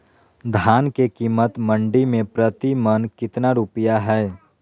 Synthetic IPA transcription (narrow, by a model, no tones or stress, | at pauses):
d̪ʱaːnkekiːmət̪mə̃ɳɖimẽpɾət̪imənkɪt̪naɾupijaɦɛː